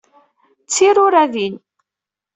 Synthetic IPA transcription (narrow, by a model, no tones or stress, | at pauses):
t͡sːiɾʊɾæðin